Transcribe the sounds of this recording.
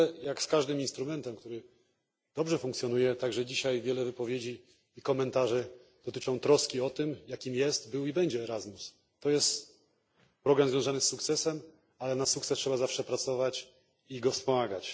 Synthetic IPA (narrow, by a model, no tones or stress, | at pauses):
jakskaʐd̪ɘminst̪ɾumɛnt̪ɛmk̚t̪uɾɘ | d̪̥ɔbʐɛfuŋk̪sʲjɔnujɛt̪aɡʐɛd͡ʑiɕajvʲjɛlɛvɘpɔvʲjed͡ʑiː | kɔmɛnt̪aʐɛd̪̥ɔt̪ɘt͡ʂɔ̃w̃t̪ɾɔskʲiɔt̪ɘmjakʲimjɛst̪bɘwibɛɲd͡ʑɛːɾazmus | t̪ɔjɛst̪ | pɾɔɡɾamzvʲjɔ̃zanɘsːukt̪sɛsɛm | alɛnasukt̪sɛstʂɛbazafʂɛpɾat̪sɔvat͡ɕ | iɡɔfspɔmaɡat͡ɕ